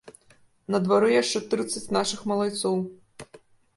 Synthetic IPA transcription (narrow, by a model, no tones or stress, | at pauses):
nɐd̪vaɾɨjaʂt͡ʂɛt̪ɾɨt̪sːɐt͡sʲnaʂɨxmɐlˠajt̪sɔw